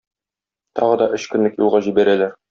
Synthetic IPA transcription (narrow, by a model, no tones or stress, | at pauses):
t̪ɒʁɤd̪ɒʔɵɕkɵ̆nlɘkjulˠʁɑʑibæɾælæɾ